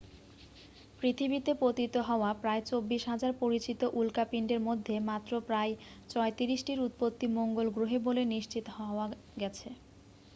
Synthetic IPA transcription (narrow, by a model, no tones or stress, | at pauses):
pɾit̪ʰibit̪epɾot̪it̪oɦɔoapɾaet͡ɕobːiʃɦad͡ʑaɾpoɾit͡ɕit̪oʔulkapiɳɖeɾmod̪ʱːemat̪ːɾopɾaet͡ɕɔet̪iɾiʃʈiɾut̪̚pot̪ːimoŋɡolɡɾoɦeboleniʃt͡ɕit̪oɦɔoa | ɡɛt͡ɕʰe